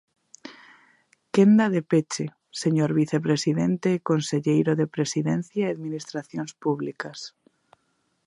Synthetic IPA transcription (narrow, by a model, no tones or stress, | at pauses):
kend̪aðepet͡ʃe | seɲoɾβiθepɾesiðent̪eːkonseʎejɾoðepɾesiðẽn̟θjaeaðminist̪ɾaθjõnspuβlikas